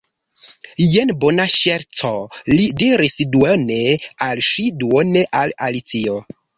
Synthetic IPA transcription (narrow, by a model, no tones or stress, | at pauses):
jenbonaʃeɾt͡solidiɾisduonealʃiduoneʔalalit͡sio